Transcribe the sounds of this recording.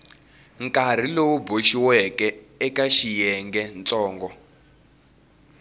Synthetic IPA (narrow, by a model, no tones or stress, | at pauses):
ŋkʼar̤ilowuboʃiwɛkɛ | ɛkaʃijɛŋɡɛnt͡sʼɔːŋɡɔ